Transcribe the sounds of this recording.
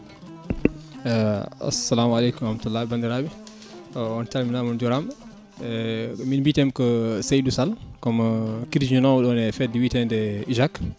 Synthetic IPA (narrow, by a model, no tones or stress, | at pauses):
a̰sːɐlaːmalekumɾhmatulːaːbandiɾabi | ɔntalminamɔnd͡ʒuɾam | ɛminbitɛmkɔsejdusalkɔmkiɾd͡ʒunɔwɗɔnɛfɛt̚diwiːtɛndɛiʒak